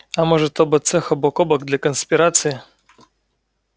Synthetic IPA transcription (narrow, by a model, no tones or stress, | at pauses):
amɔʐɛt̪ɔbɨt̪sɛxɐbɔkɔbɐɡd̪lʲakɔnspʲiɾat̪sji